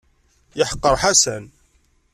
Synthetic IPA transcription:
jəħə̥qːəɾˤħasæn

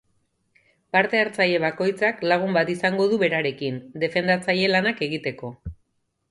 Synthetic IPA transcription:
paɾt̪e̞aɾt͡saje̞βako̞jt͡saklaɣ̞umbat̪isaŋɡo̞ðuβe̞ɾaɾe̞kind̪e̞fe̞nd̪at͡saje̞lanake̞ɣ̞it̪e̞ko̞

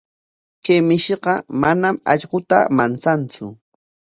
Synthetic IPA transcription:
kemɪʃeɢɑmanamɑ̰ʎɢʊt̪a̰mant͡sant͡sʊ

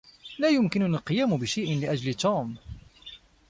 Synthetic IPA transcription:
laːjʊmkɪnʊnalqɨjaːmʊbɪʃajʔɪnlɪʔad͡ʒlɪt̪uːm

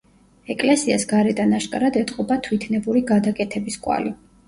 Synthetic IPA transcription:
ɛkʼlɛsiasɡaɾɛd̪anaʃkʼaɾad̪ɛt̪ʼqʼɔbat̪ʰwit̪ʰnɛbuɾiɡad̪akʼɛt̪ʰɛbiskʼwa̰li

